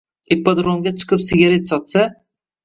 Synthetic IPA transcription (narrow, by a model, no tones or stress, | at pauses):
epːad̪ɾomɡʲat͡ʃʰɨ̥qʰɨpsɪɡʲaɾe̞t̪sɒt̪sa